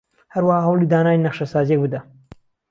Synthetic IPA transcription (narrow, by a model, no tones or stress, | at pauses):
hɐɾwahaɦɐwlˠid̪aːnaːjnɐχʃɐsaːzijek̚bɨd̪ɐ